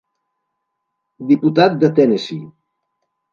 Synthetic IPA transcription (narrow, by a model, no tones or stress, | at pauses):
d̪iput̪at̪̚d̪ət̪ɛnesi